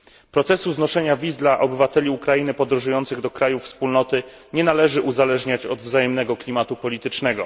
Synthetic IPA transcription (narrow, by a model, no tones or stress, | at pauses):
pɾɔt̪sɛsuznɔʂɛɲavʲizd̪laʔɔbɘvat̪ɛlʲiukɾainɘpɔd̪ɾɔ̃ʐujɔnt̪sɘɣd̪ɔkɾajufspulnɔt̪ɘ | ɲɛnalɛʐɘʔuzalɛʐɲat͡ɕɔd̪vzajɛmnɛɡɔklʲimat̪upɔlʲit̪ɘt͡ʂnɛɡɔ̰